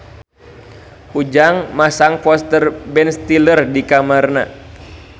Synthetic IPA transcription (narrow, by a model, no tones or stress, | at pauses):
ʔud͡ʒaŋmasaŋfɔst̪ərbɛnst̪ilərdikamarna̰